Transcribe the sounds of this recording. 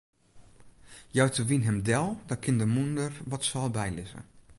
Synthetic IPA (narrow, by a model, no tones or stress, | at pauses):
jœwtəʋinɦɛmdɛlˠdɔkʰɪndəmundərʋɔtsɔlˠbɛjlɪ̰zə̰